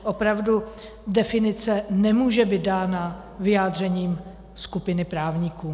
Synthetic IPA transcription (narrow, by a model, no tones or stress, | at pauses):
ʔo̞pɾavdu | dɛfɪnɪt͡sɛnɛmuːʒɛbiːt̪̚daːna | vɪjaːdr̝ɛɲiːm | skupɪnɪpɾaːvɲikuː